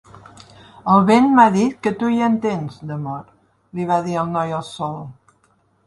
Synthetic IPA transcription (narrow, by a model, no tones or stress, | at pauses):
əlˠβenmaðit̪kət̪ujənt̪enzd̪əmɔɾ | liβ̞aðiəlˠnɔjəlˠsɔlˠ